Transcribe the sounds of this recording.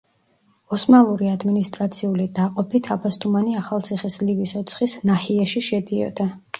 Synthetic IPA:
ɔsmalˠuɾiad̪minist̪ʼɾat̪sʰiulid̪aqʼɔpʰit̪ʰapʰast̪ʰʼumaniaχalˠt̪sʰiχislivisɔt̪sʰχisnahiɛʃiʃɛd̪iɔ̰d̪a

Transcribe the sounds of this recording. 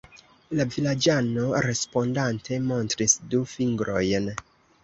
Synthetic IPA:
lavilad͡ʒano̞ɾe̞spo̞ndantʰe̞mo̞ntɾisdufiŋɡɾo̞jn

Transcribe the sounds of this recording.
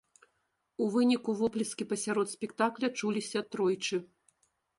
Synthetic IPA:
uvɨnʲikuvɔplʲiskʲipɐsʲaɾɔt̪sʲpʲɛkt̪aklʲɐt͡ʂulʲisʲɐt̪ɾɔjt͡ʂɨ

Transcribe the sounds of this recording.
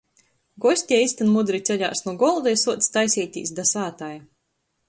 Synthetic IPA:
ɡɔsʲt̪ʲɛisʲt̪anmud̪ɾit̪sʲɛʎʲa̰ːsnuɔɡɔlˠd̪ɛjsuɔt̪sʲt̪ajsʲɛjt̪ʲḭːsd̪asaːt̪aj

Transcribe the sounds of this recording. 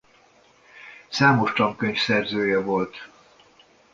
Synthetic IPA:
saːmo̞ʃt̪ɒŋkøɲfsɛrzøːjɛvo̞lt̪

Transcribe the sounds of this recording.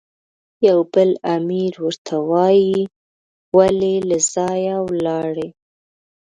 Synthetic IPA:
jawbəlamiɾwəɾt̪ʰawɑji | walelaz̥ɑjawlɑɽe

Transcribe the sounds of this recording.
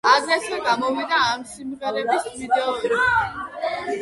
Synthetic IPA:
aɡɾɛsɛɡamɔvid̪aːmsimʁɛɾɛbismid̪ɛɔɾ

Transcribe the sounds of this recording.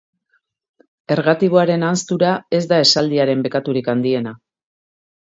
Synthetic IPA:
e̞ɾɣat̪iβo̞aɾe̞nanst̪uɾae̞zd̪ae̞sald̪iaɾe̞mbe̞kat̪uɾikand̪ie̞na

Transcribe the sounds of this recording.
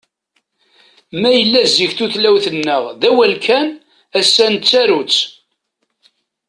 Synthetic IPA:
mæjəlːæzːiçθuθlæwθənːəʁðæwælkʰæn | æsːænt͡sːæɾut͡sː

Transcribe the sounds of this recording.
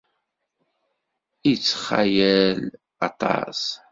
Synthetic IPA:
it͡sːə̥χa̰jæl | ɑ̰t̪ˤɑ̰s

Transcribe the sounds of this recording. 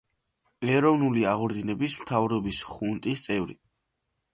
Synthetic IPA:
ɛɾɔvnuliaʁɔɾd̪inɛbismt̪ʰavɾɔbisχunt̪ʼist̪sʼɛvɾḭ

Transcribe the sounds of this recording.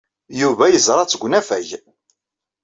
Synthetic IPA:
juvæjəzɾˤɑt͡sːəɡʷnæfæʝ

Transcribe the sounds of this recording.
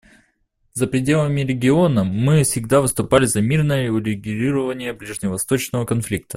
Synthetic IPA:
zəpɾʲɪdʲe̞lˠəmʲɪɾʲɪɡʲɪo̞nəːɨfsʲɪɡd̪avɨst̪ʊpalʲɪzɐmʲirnəjəʊɾʲɪɡʲɾʲiɾəvənʲɪjəblʲɪʐnʲɪvɐst̪ot͡ɕnəvəkɐnflʲik̚t̪ʰə̥

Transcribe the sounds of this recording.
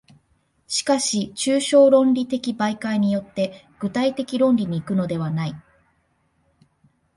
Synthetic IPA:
ɕi̥kaɕit͡ɕɨːɕo̞ːɾõ̞nɾʲit̪e̞kʲibaikaiɲ̟ijo̞t̪ːe̞ | ɡ̥ɯ̟t̪ait̪e̞kʲiɾõ̞nɾʲiɲ̟iːkɯ̟no̞d̪e̞β̞anai

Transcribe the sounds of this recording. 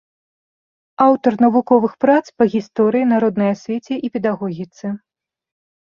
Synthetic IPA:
awt̪ɐrnɐvukɔvɨxpɾat̪spɐɣʲist̪ɔɾɨjinaɾɔd̪nɐjɐsʲvʲet͡sʲɛʔipʲɛd̪aɣɔɣʲit̪sɨ

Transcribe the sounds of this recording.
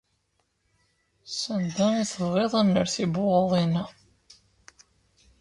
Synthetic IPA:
sənd̪æiθəvʁeðˤænːəɾθiboʁəðˤina

